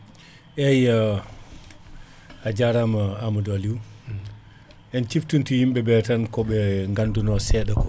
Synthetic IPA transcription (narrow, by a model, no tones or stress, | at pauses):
ʔɛja | ad͡ʒaɾamaamadaliw | ʔɛnt͡ʃiftuntujimbɛbɛtankɔɓɛŋɡandunɔsɛɗakɔ